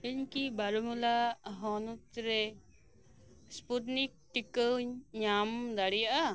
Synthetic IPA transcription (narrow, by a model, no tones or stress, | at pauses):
iɲkibaɾumulaʔɦɔnutɾɛ | spuʈnik̚ʈikəwɲamd̪aɽijaʔa